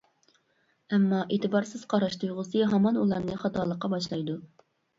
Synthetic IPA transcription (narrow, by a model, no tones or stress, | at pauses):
ɛmːɑʔeːt̪ʰɨbɑɾsɨz̥qʰɑɾɑʃt̪ʰujʁʊsɨɦɑmɑnulˠɑɾnɨχɑt̪ʰɑːlˠəqːɑbɑʃlˠɑjd̪u